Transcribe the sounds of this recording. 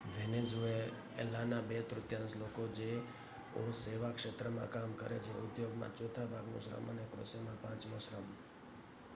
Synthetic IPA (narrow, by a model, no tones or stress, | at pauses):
ʋenezue | ḛlanabet̪ɾʊt̪jãnslokod͡ʒe | oseʋakʃet̪ɾəmã̰kamkəɾḛt͡ʃʰeʊd̪joɡmã̰t͡ʃot̪ʰabʱaɡnṵʃɾə̰mənekɾo̰semãpãt͡ʃmõʃɾəm